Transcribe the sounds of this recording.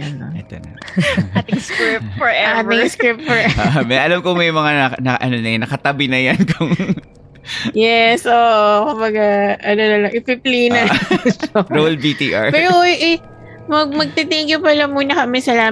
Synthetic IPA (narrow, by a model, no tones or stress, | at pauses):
janɐɛt̪onɐ | t̪ɪŋskɹɪpfɔɹʔɛat̪ɪŋskɹɪp̚t̪fɔmɐjʔɐlamkomɐjmɐŋaɐnɐʔɐnonɐjanːɐkɐt̪ɐbɪnɐjankʊŋ | jɛsʔoːʔokʊmbɐɡaʔɐnonɐlɐŋʔɪpɪpliːnɐ | oɹowlbit̪iʔa̰ɹpɛːɾoʔɛ | mɐɡ̚mɐɡ̚t̪it̪iŋɡɪpɐlɐmuːnɐkɐmɛsɐlaː